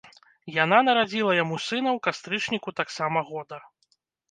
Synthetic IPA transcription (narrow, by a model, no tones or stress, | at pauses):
jan̪anɐɾad͡zʲilˠɐjamusɨnɐwkast̪ɾɨt͡ʂnʲikut̪aksamɐɣɔd̪ɐ